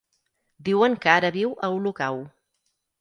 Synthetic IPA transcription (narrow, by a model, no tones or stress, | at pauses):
d̪iwəŋkaɾəβiwʔəulukaw